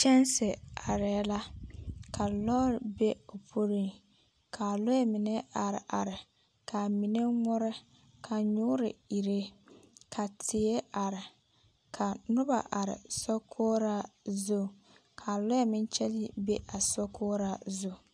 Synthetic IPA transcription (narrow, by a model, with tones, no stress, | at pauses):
t͡ʃɛ˦nsɪ˨a˨ɾɛ˨˦la˦kʰa˨lɔ˦ɾɪ˨be˦o˨pʰo˦ɾi˦ŋ | kʰa˨lʊ˦ɛ˦mɪ˨ne˦a˨ɾɪ̰˨ʔa˨ɾɪ˨ | kʰa˨mi˨ne˦ŋɔ˦ɾɛ˦ | kʰa˨ɲʊː˦ɾɪ̰˨i˨ɾe˦kʰa˨tʰɪ˨e˦a˨ɾɪ˨ | kʰa˨nʊ˦ba̰˨ʔa˨ɾɪ̰˨sɔ˦kʰoː˦ɾa˦zo˦˨ | kʰa˨lʊ˦ɛ˦mɪ˦n˦t͡ʃɛ˦li˦be˦ʔa˨sɔ˦kʰoː˦ɾa˦zo˦˨